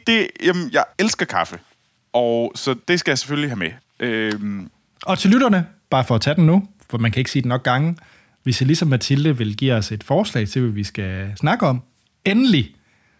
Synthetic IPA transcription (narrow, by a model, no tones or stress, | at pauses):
d̥e̝jemnjɑ̈ɪelsɡ̥ɐkʰɑ̈fə | ɒsɒ̽d̥e̝sɡ̥æjäɪse̥følliɦæme | ʔøm | ɒ̽t͡sʰe̝lyɾ̥ɐnəb̥ɑ̈ːfɒ̽ːt͡sʰæd̥en̩nufɒmænkʰæe̝ɡ̥siːdenɒ̽ɡ̥̚ɡɑ̈ŋə | ʋe̝slisɒ̽mːæt͡sʰild̥əʋe̝lɡ̥ḭːɒ̽se̝d̥fɒːslɛ̰ɪt͡sʰe̝lʋæʋisɡ̥æsnɑ̈ɡ̥əɒ̽m̰ | enəli